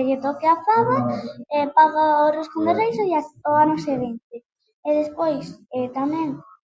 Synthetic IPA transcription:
eʝet̪okeafaβaepaɣaorisk̪ond̪erejsoasoanoseβent̪e | eðespojset̪amɛ̃ŋ

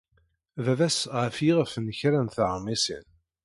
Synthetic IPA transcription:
ðævæsʁəfjiʁəfnəçɾænθʕmːisḭn

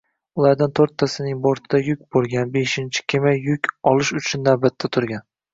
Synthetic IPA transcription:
ʊlˠaɾd̪ant̪ʰoɾt̪ʰːasɪnɪŋboɾt̪ʰɪd̪ajʊkʲbolˠɡʲanbe̞ʃɪnt͡ʃʰɪ̥kʲʰɪmajʊkʲʰɒlˠɪʃʊt͡ʃʰʊnːawbat̪ʰːat̪ʰʊɾɡʲan

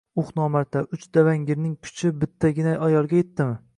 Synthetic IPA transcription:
ʊχnɒmaɾt̪ʰaʔʊt͡ʃd̪̥avaŋɡʲɪɾnɪŋkʰʊ̥t͡ʃʰɪbɪt̪ʰːaɡʲɪnajɒjɒlˠɡʲajet̪ːɪmɪ

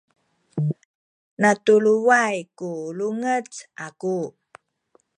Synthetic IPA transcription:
natuluwajkuluŋət͡saku

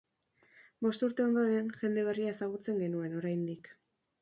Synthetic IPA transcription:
bo̞st̪uɾt̪e̞o̞nd̪o̞ɾenʝe̞nd̪e̞β̞eriaesaɣut͡se̞ŋɡe̞nue̞no̞ɾajnd̪ik

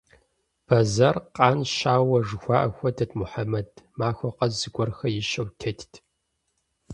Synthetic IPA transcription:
b̥ɐzɐrqʼɑːnʃaːwɐʐɨxʷaːʔɐxʷɐdɐdmuħamɐdmaːxʷɔqɐzzɨɡʷɔrxɐjɪʃɐwtʰɐtʰtʰ

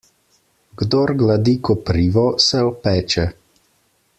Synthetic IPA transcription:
ɡd̪oɾɡlad̪ikɔpɾiːʋɔsɛɔpɛːt͡ʃɛ

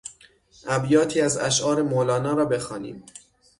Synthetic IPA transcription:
ʔæbjɒːt̪ʰiːæzæ̰ʃʔɒːɾe̞moːlɒːnɒːɾɒːbe̞xɒːnḭːm

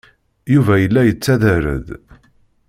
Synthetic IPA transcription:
juvæjəlːæjət͡sːæðəɾə̰ð

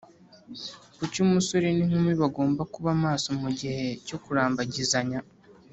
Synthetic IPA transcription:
kucumusoɾiniŋ̥umwiβaɡo̞ːmbakuβaːmaːso̞muɟihe̞co̞kuɾaːmbaɟizaɲa

